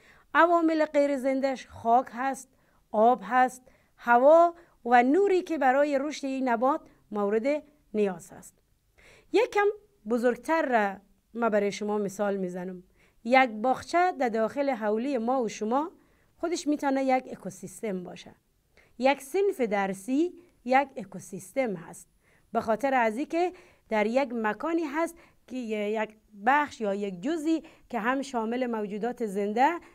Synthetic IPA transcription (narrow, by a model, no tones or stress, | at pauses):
avɒːmeleqejɾezend̪aʃχɔːkʰɦæst̪̚ | ɔːbɦæst̪̚ | havɔː | vænuɾikebæɾɔːjeɾuʃt̪einabɒːt̪̚ | mowɾed̪e | nijɒːz̥hæ̰st̪̚ | jekam | bozoɾɡ̚t̪ʰæɾːa | mæbæɾɔːjeʃʊmɔːmisɒːlmizænʊm | jæk̚bɒːχt͡ʃʰæd̪aɾd̪ɒːxeleɦawlijemɔːuʃʊmɔ | xʊd̪eʃmiːt̪ɒːnajaɡekosist̪embɒ̰ːʃæ̰ | jæksenfed̪æɾsi | jæɡekosist̪emɦa̰st̪̚ | baxɔːt̪ʰeɾaziːke | d̪̥æɾjakmakɒːniːɦast̪ | jk | baxʃjɒːjek̚d͡ʒʊzikeɦamʃɔːmɪlemawd͡ʒuːd̪ɒːt̪ezend̪æ